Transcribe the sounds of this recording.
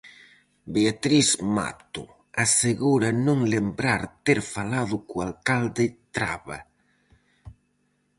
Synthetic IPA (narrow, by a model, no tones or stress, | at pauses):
beat̪ɾisma̰t̪ʊ̰ | aseɣuɾanũŋlembɾaɾt̪eɾfalaðʊkualkald̪ɪt̪ɾaβa̰